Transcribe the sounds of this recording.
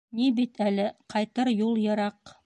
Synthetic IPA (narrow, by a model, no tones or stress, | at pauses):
nibit̪ælɘqʰɑjt̪ɤɾjulˠjɤ̆ɾɑq